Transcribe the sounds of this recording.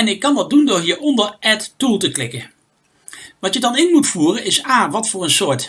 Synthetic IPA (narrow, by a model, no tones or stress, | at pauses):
ɛnɪkːɑnʋɑdundʊːɹɦiːɹɔndəɹʔɛttulˠtəklɪkə | ʋɑtjədɑnɪnmutfuːrənɪsaːʋɑtfʊːɹənsʊːɹt